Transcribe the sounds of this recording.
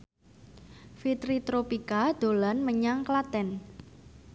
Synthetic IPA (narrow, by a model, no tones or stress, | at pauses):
fit̪ɾit̪ɾopikad̪̥o̤lanməɲaŋklat̪ɛn